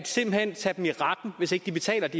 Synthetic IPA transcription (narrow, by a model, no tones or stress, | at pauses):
d̥se̝m̰b̥l̩hen̰t͡sʰæd̥m̩iʁɑd̥n̩ʋe̝se̝ɡ̥̚d̥ib̥e̝t͡sʰɛ̰ːlɐd̥i